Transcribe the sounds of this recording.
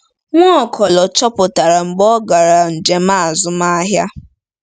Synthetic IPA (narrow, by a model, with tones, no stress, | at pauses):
ŋʷɔ˦˨kʰɔ˨lɔ˨t͡ʃɔ˦pʊ˨ta˨ɾa˨ŋ͡m̩˨ɡ͡bɔ˦ɡa˨ɾa˨n̩˨d͡ʒe˨ma˦a˨zʊ˦ma˦ɦja˦